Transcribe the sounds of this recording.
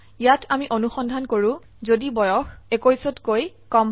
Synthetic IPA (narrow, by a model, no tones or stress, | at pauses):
ijatʰamiʔonuxɔndʱankoɹũ | zodibɔjɔxekojsɔtkoj | kɔmbʱ